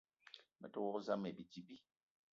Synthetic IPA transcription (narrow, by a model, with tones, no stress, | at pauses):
mɛ̰˨tɔ˦wɔ˦za˦mɛ˨bi˨d͡ʒi˦bi˦